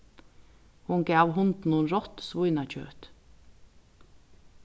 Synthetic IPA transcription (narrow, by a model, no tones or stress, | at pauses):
hʊŋɡæːʋhʊnd̪n̩uːnɾɔt̪sʋʊʏnɑc͡çø̰ːt̪